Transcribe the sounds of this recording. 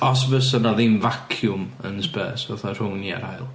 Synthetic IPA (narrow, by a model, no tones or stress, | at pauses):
ɔsvəsənaðinvakʰjʊmənspə̰ːsɛθar̥ʊŋnia̰ɾajlˠ